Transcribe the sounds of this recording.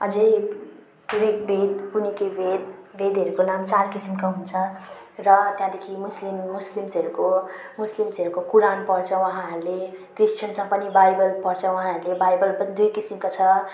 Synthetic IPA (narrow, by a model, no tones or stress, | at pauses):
ʌd͡ze | d̪uibʱed̪punikebʱed̪bʱed̪ɦʌɾukonamt͡sarkisimkaɦunt͡sʰʌ | rʌt̪jãd̪ekʰimuslimːuslimsʌɾuko | muslimsʌɾukokuɾanpʌrt͡sʰʌwʌɦãʌɾulekrist͡ʃʰʌnsãpʌnibajbʌlpʌrt͡sʰʌw̃ɦãʌɾulebajbʌlpʌnid̪ujkisimkot͡sʰʌ